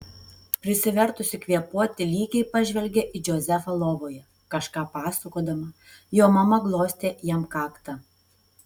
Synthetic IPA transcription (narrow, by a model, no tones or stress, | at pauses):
pʲɾʲɪsʲɪʋʲɛɾt̪ʊsʲɪkʋʲiɛpuɔt̪ʲɪlʲiːkʲɛɪpɐʒʲʋʲɛlʲɡʲɛʔɪd͡ʒʲoːzʲɛfɐlˠoːʋoːjɛ | kɐʃkɑːpɑːsɐkoːd̪ɐmɐ | joːmɐmɐɡlˠoːsʲt̪ʲeːjiɛmkɑːkt̪ɐ